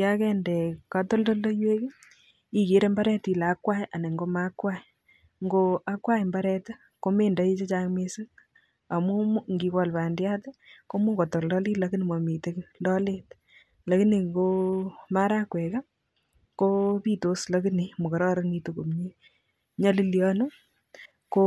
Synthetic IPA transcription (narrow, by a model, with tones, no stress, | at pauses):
ja˦kɛ˦ndɛ˨ka˨to˦ldo˦ldo˦jwe˦k | i˦ki˨˦ɾe˦mba˦ɾɛ˦ti˨la˨˦kwa˦ja˨ne˨ŋɡo˦ma˦kwa˦j | ŋɡoʔa˦kwa˦jmba˦ɾɛ˦ta˦ | ko˦me˦nda˨i˦t͡ʃe˦t͡ʃa˦ŋme˦sɨ˦ŋ | a˨mu˦mu˦ŋɡi˨kɔ˨lpa˨ndja˦te˦ko˦mu˦kɔ˨tɔ˨lɔ˦li˦la˦ki˦ne˨mo˨mi˨te˦klɔ˦le˦t | la˨ki˦ne˨ŋɡo˦ma˦ɾa˦kwɛ˨ka˦ | ko˦pi˦to˦sla˦ki˦ni˨mo˨kɔ˨ɾɔ˦ɾə˦ŋɡi˦tu˨ku˨mɲi˦ | ɲɔ˦li˦ljɔnu˦ | ko˦